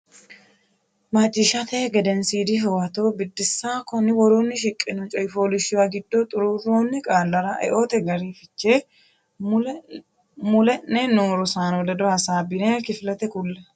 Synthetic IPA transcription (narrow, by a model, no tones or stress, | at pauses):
mɐt͡ʃʼːɪʃɐt̪eɡɛd̪ɛnsiːd̪ɪɦɛwɐt̪oːbɪd̪ːɪsːaːkɔnːɪwɔɾoːnːɪʃ̬ɪkʼːɪnɔt͡ʃʼɔjfoːlɪʃɪwaɡɪd̪ːot̪ʼʊɾurːoːnːɪkʼaːlːɐɾɐʔɛ̰ʔo̞ːt̪ɛɡɐɾifɪt͡ʃːeː | mʊlɛnːɛnoːɾɔsaːnɔd̪ɐd̪ɔhɐsaːbɪneːkɪflɐt̪ɛkʊlːɛ